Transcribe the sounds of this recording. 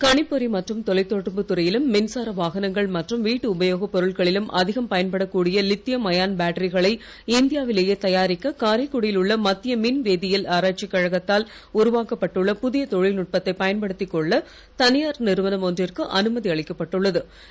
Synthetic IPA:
kɐɳɪpːɔɾimɐʈrɯmt̪ɔlɐɪt̪ːoːʈːɯmpɯt̪ʊɾɐjɪlɯmːɪnsaːɾɐʋaːɣɐnɐŋɡɐɭmɐʈrɯmʋiːʈːɯʊbɐjoːɣɐpːɔɾɯɭɣɐɭɪlɯmʔɐðɪɣɐmpɐjɐnpɐɽɐkːuːɽɪjɐlɪt̪ːɪjɐmɐjaːnbaːʈɐɾɪɣɐɭɐɪ | ɪnd̪ɪjaːʋɪleːjeːt̪ɐjaːɾɪkːɐkaːɾɐɪkːuɽɪjɪlʊɭːɐmɐt̪ːɪjɐmɪnʋeːðɪjɪlaːɾaːʈ̚t͡ʃɪkːɐɻɐɣɐt̪ːaːl | ʊɾʊʋaːkɐpːɐʈːɯɭːɐpʊðɪjɐt̪ɔɻɪlnʊʈ̚pɐt̪ːɐɪpɐjɐnpɐɽɯt̪ːɪkːɔɭːɐ | t̪ɐnɪjaːɾnɪɾɯʋɐnɐmoːndrɪrkɯʔɐnɯmɐðiɐɭɪkːɐpːɐʈːɯɭːɐðɯ

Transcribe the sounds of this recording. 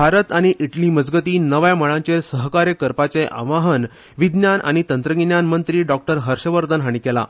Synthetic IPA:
bʱaɾət̪aɽ̃iʔiʈliməd͡zɡət̪iːnəʋjaməɭãɲt͡ɕesəɦkaɾjəkəɾpat͡seʔa̰ʋaɦən | ʋid̪njanʔa̰ɽ̃it̪ənt̪ɾəɡinjanmənt̪ɾiːɖɔk̚ʈəɾɦəɾɕəʋəɾd̪ənɦaɽ̃ikɛla̰

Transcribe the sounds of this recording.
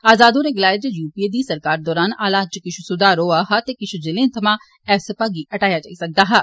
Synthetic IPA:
aːzaːd̪õːɾeːɡɪlaːjd̪juːpied̪iːsəɾkaːɾd̪ɔːɾaːnaːlaːt͡ʃkɪt͡ʃʰusʊd̪aːɾoːaːɦat̪eːkɪt͡ʃʰud͡ʒɪlẽːt̪ʰɐmãː | ɛːfsəpaːɡiːʔəʈaːjaːd͡ʒaːisɐk̚d̪aːɦɛː

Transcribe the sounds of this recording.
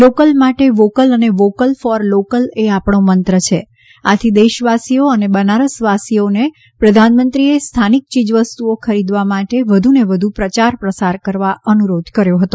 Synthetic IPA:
lokəlmaʈeʋokələneʋokəlfɔɾlokəleapɳomənt̪ɾət͡ʃʰe | at̪ʰid̪eʃəʋasioənebənaɾəsʋasione | pɾəd̪ʱanmənt̪ɾiest̪ʰanik̚t͡ʃid͡ʒʋəst̪uokʰəɾid̪ʋamaʈeʋəd̪ʱuneʋəd̪ʱupɾət͡ʃaɾpɾəsaɾkəɾʋaʔənuɾod̪ʱkəɾjoɦət̪o

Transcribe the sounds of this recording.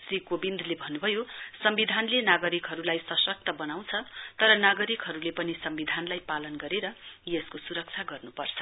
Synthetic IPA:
srikobind̪ʱlebʱʌnːubʱʌjosʌmbid̪ʱanlenaɡʌɾikɦʌɾulajsʌsʌk̚t̪ʌbʌnaw̃t͡sʰʌt̪ʌɾʌnaɡʌɾikɦʌɾulepʌnisʌmbid̪ʱanlajpalʌnɡʌɾeɾʌjeskosuɾʌk̚t͡sʰaɡʌrnupʌrt͡sʰʌ̥

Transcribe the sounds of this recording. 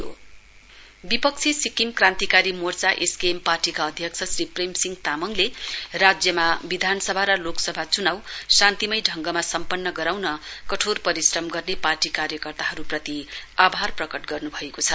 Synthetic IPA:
o̰ | bipʌk̚t͡sʰisikimkrant̪ikaɾimort͡saʔeskemparʈikaʌd̪ʱjʌk̚t͡sʰʌsripremsiŋɡt̪amʌŋlerad͡zjʌmabid̪ʱanʌsʌbʱaɾʌloksʌbʱat͡sunawsãnt̪imʌjɖʱʌŋɡʌmasʌmpʌnːʌɡʌɾawnʌkʌʈʰorpʌɾisrʌmɡʌrneparʈikaɾjʌkʌrt̪aɦʌɾuprʌt̪iabʱarprʌkʌʈɡʌrnubʱʌekot͡sʰʌ

